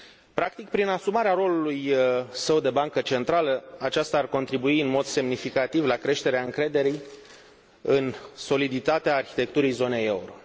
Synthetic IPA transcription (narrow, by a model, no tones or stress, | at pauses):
pɾak̚t̪ik̚pɾinasumaɾeaɾo̞lulujsəwd̪e̞baŋkət͡ʃe̞nt̪ɾaləat͡ʃast̪aːrko̞nt̪ɾibuiɨnmo̞d̪se̞mnifikat̪ivlakɾe̞ʃt̪e̞ɾeaɨŋkɾe̞d̪e̞ɾij | ɨnso̞lid̪it̪at̪eaːrçit̪e̞k̚t̪uɾijzo̞ne̞jeuɾo̞